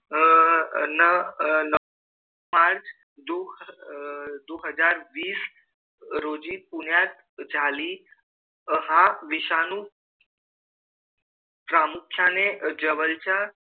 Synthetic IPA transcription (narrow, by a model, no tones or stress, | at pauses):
nənə | aɾd͡ʑ | d̪o | d̪oɦəd͡zaɾʋiːs | ɾod͡ʑipuɳjat̪̚ | d͡zʱali | əɦãʋiɕanuː | pɾamukɕʰaned͡ʑəʋəlt͡ɕa